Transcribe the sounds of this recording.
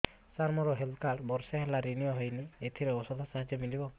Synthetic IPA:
saɾmɔɾɔɦelkaʈbɔɾsaɦelaɾinijɔɦɔjniet̪ʰiɾeɔsɔd̪ɔsaɦad͡ʒɔmilibɔ

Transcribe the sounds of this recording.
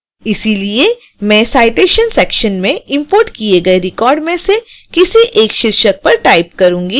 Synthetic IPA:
ɪsilie | mɛ̃ːsaːɪʈeːʃənsɛːkʃənmẽɪ̃mpoːɾʈkieɡɐeɾɪkɔːɾɖmẽsekɪsiʔeːkʃɪɾʃək̚pɐɾʈaːɪp̚kɐɾũːŋɡiː

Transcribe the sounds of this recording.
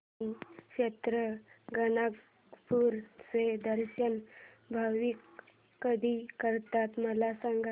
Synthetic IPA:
kɕet̪ɾəɡənaɡ | puɾsed̪əɾɕən | bʱaʋikː | əd̪ʱikəɾt̪at̪məlasaŋɡʱa

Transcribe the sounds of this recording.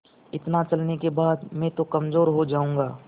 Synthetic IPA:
ɪt̪nat͡ʃɐlnekebaːd̪mɛ̃t̪okɐmzoːɾɦod͡ʒaːũːŋɡaː

